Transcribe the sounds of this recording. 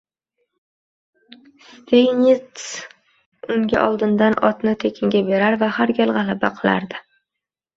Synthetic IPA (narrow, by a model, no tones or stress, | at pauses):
st̪ʰejnɪt̪s | ʊŋɡʲa̰ʔɒlˠd̪ɪnd̪anɒt̪nɪt̪ʰekʲʰɪŋɡʲabe̞ɾaɾvahaɾɡʲalˠʁɑlˠabaqʰɨlˠa̰ɾd̪ɪ